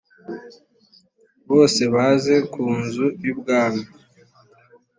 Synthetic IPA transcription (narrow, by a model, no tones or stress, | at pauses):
βo̞ːse̞βaze̞kʰuːnzujibɡaːno